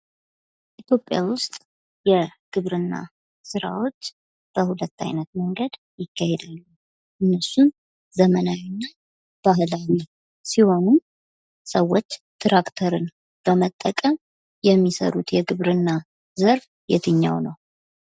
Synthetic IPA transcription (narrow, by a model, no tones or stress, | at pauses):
ʔit̪ʰjo̞pʼːjawʊst̪ʼ | jɛɡ̥ɨβɾɨnːa̰ | sɨɾa̰wo̞t͡ʃː | b̥əhulət̪ːa̰jnət̪məŋɡəd̪ | jɪkːahed̪alːu | ʔɨnːəsun | zəmənawinːa | b̥aɦlawi | siho̞num | səwːo̞t͡ʃːt̪ʰɾakt̪ʰəɾɨn | b̥əmət̪ʼːəkʼəm | jɛmːisə̰ɾut̪jɛɡɨβɾɨnːa | zəɾf | jɛ̰t̪ʰɨɲːa̰wnəw